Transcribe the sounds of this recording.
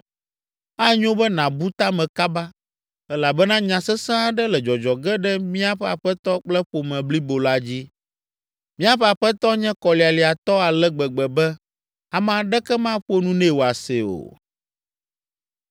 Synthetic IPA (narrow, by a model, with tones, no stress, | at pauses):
a˦ɲõ˦bɛ˦nã˨bu˦t̪a˦mɛ̃˨ka˦ba˦ | ɛ˦la˨bɛ˦nã˦ɲã˨sɛ˦sɛ̃˦a˦ɖɛ˦lɛ˨d͡ʒɔ˨d͡ʒɔ˨ɡɛ˦ɖɛ˦mĩ˦a˨ɸɛ˦a̰˨ɸɛ˦t̪ɔ˦k͡plɛ˦ɸo˨mɛ̃˨bli˦bo˨la˦d͡ʑi˦ | mĩ˦a˨ɸɛ˦a˨ɸɛ˦t̪ɔ˦ɲɛ̃˦kɔ˨li˨a˨li˨a˨t̪ɔ˦a˨lɛ˦ɡ͡bɛ˨ɡ͡bɛ˨bɛ˦ | a˨mã˨ɖɛ˦kɛ˦mã˦ɸo˦nũ˦nɛ̃˦˨wo˨a˨se˨o̰˨